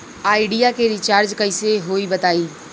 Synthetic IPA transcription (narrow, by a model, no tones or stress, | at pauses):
aːɪɖijakeɾɪt͡ʃaːɾd͡ʒkɐɪseɦoːibɐt̪aːiː